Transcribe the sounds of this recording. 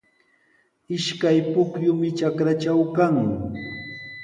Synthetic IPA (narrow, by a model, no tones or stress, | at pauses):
ɪʃkajpʊkjʊmɪt͡ʃakɾat͡ʃawkaŋ